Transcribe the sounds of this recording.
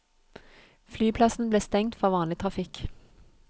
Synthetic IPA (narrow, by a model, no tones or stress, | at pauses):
flyːpʰlɑsn̩bleːst̪ɛŋt̪fɔʋɑːnlɪt̪ʰʁɑfɪk